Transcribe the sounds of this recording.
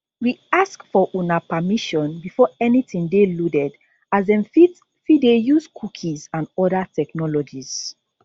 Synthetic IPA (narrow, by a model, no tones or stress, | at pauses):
wiaskfɔʔunapamiʃɔ̃nbifɔɛnitĩŋdeludɛd | azdɛ̃mfit | fidejuzkʰukʰĩzãnɔdatɛknɔlɔd͡ʒiz̥